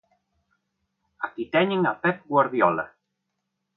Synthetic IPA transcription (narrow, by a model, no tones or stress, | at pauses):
akit̪ɛɲeŋapɛp̚ɡwaɾðjɔla̰